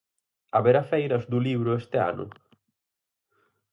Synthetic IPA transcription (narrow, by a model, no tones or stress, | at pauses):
aβeɾafɛjɾazd̪uliβɾʊest̪ea̰nʊ̰